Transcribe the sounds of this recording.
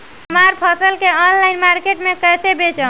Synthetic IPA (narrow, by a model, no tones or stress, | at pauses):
əmaɾpʰəsəlkeɔnlainmaɾkeʈmekəsebet͡ʃə